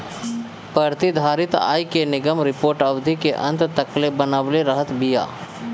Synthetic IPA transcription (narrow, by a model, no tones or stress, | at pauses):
pəɾt̪id̪ʱaːɾɪt̪a̰ːikenɪɡəmɾɪpoːɾʈɐʋd̪ʱikeʔɐ̰̃nt̪t̪ɐklebənəʋleɾəɦət̪bija̰ː